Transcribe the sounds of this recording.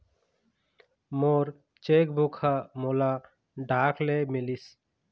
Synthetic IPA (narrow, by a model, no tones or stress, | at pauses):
moːɾ | t͡ʃeːkbukʰamola | ɖʱaːkʰlemilis